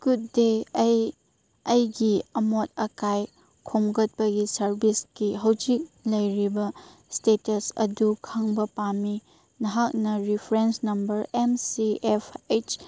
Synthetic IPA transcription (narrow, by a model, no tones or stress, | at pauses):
ɡ̥ut̚dej | ɐjɡiɐmot̚ɐkaj | kʰomɡɐt̚pɐɡisɐɾbisɡiɦɐwd͡ʒik̚lɐjɾibɐstetɐsɐ̰dukʰaŋbɐpami | nɐɦak̚nɐɾipʰɾensnɐmbɐɾemsiepʰet͡ʃ